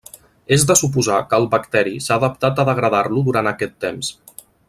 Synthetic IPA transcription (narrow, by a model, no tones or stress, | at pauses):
ezd̪əsup̬uzakəlˠβəkt̪ɛɾisaːðəp̚t̪at̪əðəɣɾəðaɾluðuɾant̪əkɛt̪ːems